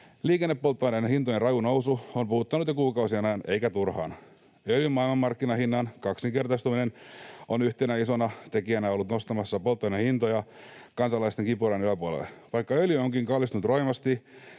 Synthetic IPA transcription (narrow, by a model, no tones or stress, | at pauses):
liːkenːepːolt̪ːonɑinehint̪ojerɑjunowsuompuhut̪ːɑnut̪jokuːkɑusienæːne̞ikæt̪urhɑ̰ːn | øljymɑːilmɑmːɑrkːinɑhinːɑnkɑksiŋke̞rt̪ɑst̪uminenonyht̪enæisonɑt̪e̞kiænæo̞lːut̪no̞st̪ɑmɑsːɑpolt̪ːonɑhint̪ojɑkɑnsɑlɑist̪e̞ŋkipuɾɑnyæpuolḛlʋɑjkːɑøljyoŋkiŋkɑlːist̪unut̪ro̞imɑst̪i